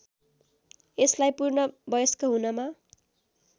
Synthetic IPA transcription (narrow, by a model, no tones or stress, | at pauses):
eslajpurnʌbʌjʌskoɦunʌma